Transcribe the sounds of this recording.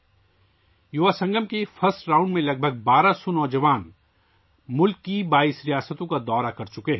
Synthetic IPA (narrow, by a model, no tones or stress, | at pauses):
jʊʋaːsɐ̃ŋɡəmkefʰɐsɾãːʊ̃ɳɖmẽlɐɡ̚bʱəɡ̚baːɾasɔnɔːd͡ʒɐʋaːn | mʊlkːibaːisɾijaːsət̪õkad̪ɔːɾakɐɾt͡ʃʊkeɦɛ